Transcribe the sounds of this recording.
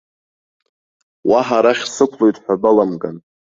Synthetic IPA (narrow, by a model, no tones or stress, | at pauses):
waħaɾaχʲsɨkʷʰlo̞jtʼħʷᶣabalamɡʼa̰n